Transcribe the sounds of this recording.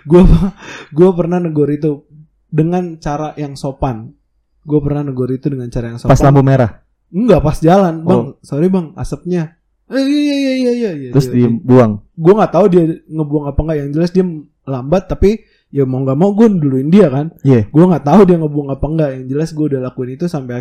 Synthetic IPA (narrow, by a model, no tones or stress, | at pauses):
ɡuapɡuapərnahnəɡoɾit̪̬u | dəŋant͡ʃaɾajaŋsopan | ɡuapərnahnəɡoɾit̪udəŋant͡ʃaɾajaŋsopasalambumeɾah | ŋɡapasd͡ʒalanbasoɾibaŋa̰səp̚ɲa | əijaijaijaijaijaijaɾʊsdibuaŋɡuaŋɡaʔt̪audiaŋəbuaŋapaŋɡaʔjaŋd͡ʒəlasdia | lambat̪ːapi | jamauŋɡaʔmauɡuanduluɪndiakanjaɡuaŋɡaʔt̪audiaŋəbuaŋapaŋɡaʔjaŋd͡ʒəlasɡuaudalakuɪnit̪usampa